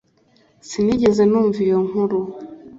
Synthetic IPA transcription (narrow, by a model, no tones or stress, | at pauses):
siniɟeze̞nuːɱvijoŋ̥uɾu